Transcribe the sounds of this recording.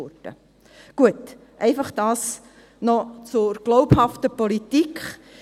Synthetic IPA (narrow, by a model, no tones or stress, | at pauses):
ʊtə̰ | ɡ̥uət | ʔɛɪfɑχd̥ɑːs | nɔt͡sʊɾɡ̥loʊphɑftəpolitikχ